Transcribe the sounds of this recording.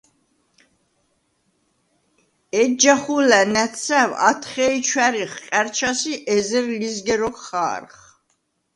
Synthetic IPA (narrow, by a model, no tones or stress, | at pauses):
ɛd͡ʒaχulænæt̪sæwa̰t̪ʰχɛit͡ʃʰwæɾiχqʼɛɾt͡ʃʰasiʔɛzɛɾlizɡɛɾɔkʰχa̰ːɾχ